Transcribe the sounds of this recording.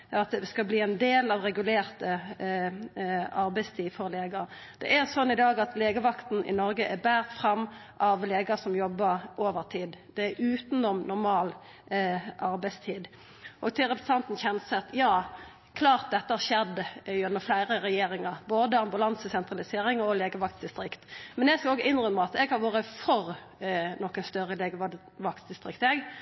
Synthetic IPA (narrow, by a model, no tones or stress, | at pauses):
ɑt̪ʋskɑbliːɛnd̪eːlɑʋɾɛɡʉleːʁt̪ə | ɑɾbæɪst̪ʰiːd̪fɔʁleːɡɑ | d̪̥ɛ̰ʔæɾsɔnːɪd̪ɑːɡɑt̪leːɡəʋɑkt̪n̩ʔɪ̰nɔɾɡəʔæbæːʁt̪fʁɑmːʔɑʋleːɡɑsɔmjɔbːəɾʔoːʋəʁt̪ʰiːd̪d̪̥ɛæɾʉːt̪n̩ɔmnʊɾmɑːl | ʔɑɾbæɪst̪ʰiːd̪ | ʔɔɡt̪ʰɪlʁɛpɾəsɑnt̪nçɛnsɛt̪jɑː | kʰlɑːʁt̪̚d̪ɛt̪ːəhæʃɛd̪ːəʉnːəflæɪʁəɾɛjeːɾɪŋɑboːd̪əɑmbʉlɑnsəsɛnt̪ʁɑlɪseːɾɪŋɔleːɡəʋɑk̚t̪d̪ɪst̪ɾɪkt̪mɛnjɛɡskɑoːɡəɪnʁʏmːəɑt̪ɛɡhɑɾʋoːɾəfɔɾ | nɔkːənst̪œʁːəleːɡəʋɑ | ʋɑkt̪d̪ɪst̪ʁɪkt̪ɛɡ